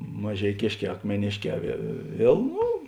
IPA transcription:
mɐʒʲɛɪˈkʲeːʃʲˌkʲɛː ɐkmʲɛˈnʲeːʃʲˌkʲɛː ʋʲiɛ ˈʋʲiɛlˠ ˈnʊ

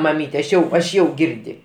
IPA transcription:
mɐˈmʲiːtʲɛ ɐʃ ˈjɛʊ ɐʃ ˈjɛʊ ˈɡʲɪrʲdʲɪ

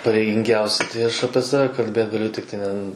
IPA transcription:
pɐrʲɛɪɡʲɪŋʲˈɡʲɛʊsʲɪ tɐɪ ˈɐʃ ˈɑːpʲiɛ ˈsɑːʋʲɛ kɐlʲˈbʲeːt ɡɐˈlʲʊ ˈtʲɪktɐɪ nʲɛ n

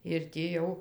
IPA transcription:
ɪr tʲiː ˈjɛʊ

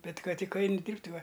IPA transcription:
ˈbʲɛt ˈkɐt ˈtʲɪk ˈɐɪnʲɪ ˈdʲiːrʲpʲtʲ ˈʋɐ

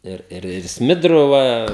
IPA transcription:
ˈɪr ɪr ɪr ˈsʲmʲɪdrʊ ˈʋɐ

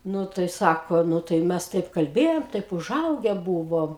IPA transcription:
ˈnʊ tɐɪ ˈsɑːkoː ˈnʊ tɐɪ ˈmʲɛs ˈtɐɪp kɐlʲˈbʲeːjoːm ˈtɐɪp ʊˈʒɐʊɡʲɛ ˈbuːʋoːm

